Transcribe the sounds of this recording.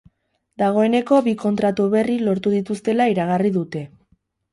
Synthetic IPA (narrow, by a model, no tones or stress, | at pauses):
d̪aɣ̞o̞e̞ne̞ko̞βiko̞nt̪ɾat̪uβe̞rilo̞ɾt̪uðit̪ust̪e̞laiɾaɣ̞ariðut̪e̞